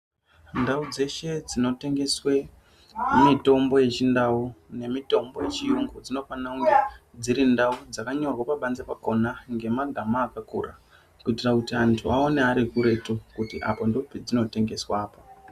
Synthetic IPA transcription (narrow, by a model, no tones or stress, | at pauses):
ndaud͡ze̞ʃe̞d͡zino̞te̞ŋɡe̞swe | mito̞mbo̞je̞t͡ʃindaune̞mito̞mbo̞je̞t͡ʃijuŋɡod͡zino̞fanauŋɡed͡ziɾindaud͡zakaɲo̞rwapaɓanzepako̞naŋɡemaɡʱamaːkakṵra̰ | kuitirakutiantʰuao̞neaɾikuɾe̞tukutiʔapondo̞pid͡zino̞te̞ŋɡe̞swaːpa